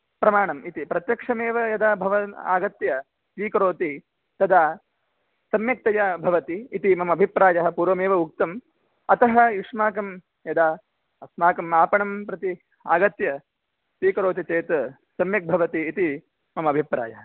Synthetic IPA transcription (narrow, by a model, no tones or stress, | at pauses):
pɾɐmaːɳɐmit̪ipɾɐt̪jɐkʂɐmeːʋɐjɐd̪aːbʱɐʋɐa̰ːɡɐt̪jɐ | sʋiːkɐɾoːt̪i | t̪ɐd̪aː | sɐmjɐk̚t̪ɐjaːbʱɐʋɐt̪iːt̪imɐmɐbʱipɾaːjɐɦɐ̆puːɾʋɐmeːʋɐuk̚t̪ɐm | ɐt̪ɐɦɐ̆iʂmaːkɐm | jɐd̪aː | ɐsmaːkɐmaːpɐɳɐmpɾɐt̪i | a̰ːɡɐt̪jɐ | sʋiːkɐɾoːt̪̬it͡ʃeːt̪ɐ | sɐmjɐk̚bʱɐʋɐt̪iːt̪i | mɐmɐɐbʱipɾa̰ːjɐɦɐ